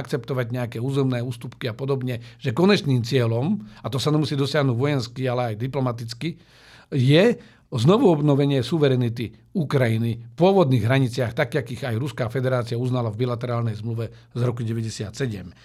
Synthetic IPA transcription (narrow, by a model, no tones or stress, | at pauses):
akt͡sɛpt̪ɔʋaɟɲɛakɛːuːzɛmnɛːuːst̪upkiapɔd̪ɔbɲɛʒ̥ɛkɔɲɛt͡ʃniːmt͡sɪɛlɔmat̪ɔsaɲɛmusiːd̪ɔsɪaɦnuːɟʋɔjɛnskialɛajd̪iplɔmat̪it͡ski | jɛ | znɔʋuɔbnɔʋɛɲɪɛsuʋɛɾɛnit̪i | ukɾajinifpʊɔʋɔd̪niːɣɦɾaɲit͡sɪaxt̪akakiɣajɾuskaːfɛd̪ɛɾaːt͡sɪauznalavbilat̪ɛɾaːlnɛjzmluʋɛzɾɔkuɟɛʋɛɟɛsɪat̪sɛɟɛm